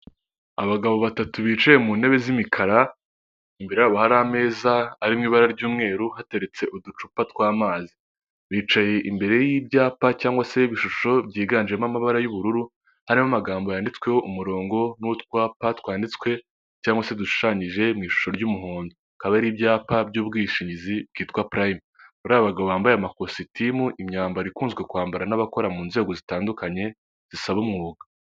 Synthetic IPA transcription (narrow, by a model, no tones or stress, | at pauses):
aβaɡaβo̞βatatuβiːt͡ʃaje̞muːne̞βe̞zimikʰaɾa | imbeɾejaβahaɾame̞ːzaːɾimŋiːβaɾaɾɟuːmŋe̞ːɾuhate̞ɾe̞t͡se̞ʔudut͡ʃupatkwaːmaːzi | βiːt͡ʃaje̞ʔimbe̞ɾe̞jiːbɟaːpacaːŋɡwase̞iβiʃuʃo̞bɟiːɡaːnd͡ʒiɾemamaβaɾajuβuɾuɾu | haɾimamaɡaːmbojaːndit͡swe̞hoʔumuɾo̞ːŋɡo̞nutkwaːpatwaːndit͡skwe̞ | caːŋɡwase̞duʃu̥ʃaːɲiʒe̞mŋiːʃu̥ʃo̞ɾɟuːmuɦoːndo | kaβaɾiːbɟaːpabɟuːbɡiːʃiɲizib̚ɡiːtkwapɾaim | βuɾaːβaβaɡaβoβaːmbajamakositʰimuʔimɲaːmbaɾikuːnzɡwe̞kuaːmbaɾanaβako̞ɾamuːnze̞ːɡo̞zitaːndukaɲe̞ | z̥isaβumŋuːɡa